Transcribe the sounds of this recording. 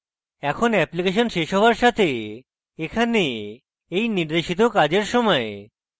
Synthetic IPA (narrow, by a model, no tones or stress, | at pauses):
ɛkʰonɛplikeʃ̬ɔnʃeʃɦɔʋaɾʃat̪ʰeː | kʰane | ejniɾd̪eʃit̪okad͡ʑeɾsɔmɔe